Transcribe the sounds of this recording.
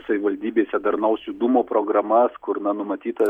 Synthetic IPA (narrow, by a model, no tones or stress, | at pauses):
sɐʋʲɪʋɐlʲd̪ʲiːbʲeːsʲɛd̪ɐɾnɐʊsʲʊd̪umoːpɾoːɡɾɐmɐskʊɾnɐnʊmɐt̪ʲiːt̪ɐ